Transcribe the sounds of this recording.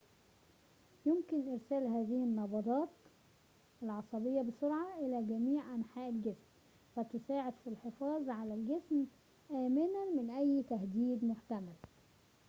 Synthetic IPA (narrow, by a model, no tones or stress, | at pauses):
jʊmkɪnʔɪɾsæːlɦæːðɪhɪnːɑbɑd̪ˤɑːt̪ | ɪlʕɑsˤɑbɪjːɑbɪsʊɾʕɑʔɪlæːɡæmiːʕʔænħaːʔɪlɡɪsm | fæt̪ʊsaːʕɪd̪filħɪfɑːzˤʕalælɡɪsm | ʔæːmɪnæmɪnʔæjːt̪æhd̪iːd̪mʊħt̪æmæl